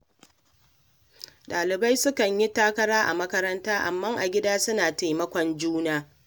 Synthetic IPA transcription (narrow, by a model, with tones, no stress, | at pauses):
ɗaː˨lɪ˨ba˦jsʊ˦kɐ˨ɲji˦taː˦kɐ˦ɾaː˦ʔa̰˨mɐ˦kɐ˦ɾɐ˦ntaː˦ʔa˨mːɐ˦ŋʔa̰˨ɡʲɪ˦daː˦sʊ˦naː˨ta˨jmɐ˦kʷɔ˨nd͡ʒuː˦naː˦